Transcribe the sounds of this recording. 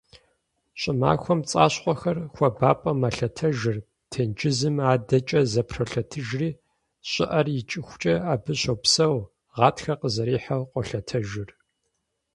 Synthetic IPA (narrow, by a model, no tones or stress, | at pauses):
ɕʼɪma̰ːxʷɔmt͡sʼa̰ːɕqʷʼɔxɐrxʷɔbaːpʼɐmɐɬɐtʰɐʒɨr | tʰɐnd͡ʒɪzɨmaːdɐt͡ʃʼɐzɐpʰrɐɬɐtʰɨʒriː | ɕʼɪʔɐrjɪt͡ʃʼɪxʷʊt͡ʃʼɐaːbɨɕɐwpsɐw | ʁɑːtxɐqəzɐɾiːħawqʷʼɔɬɐtʰɐʒɪr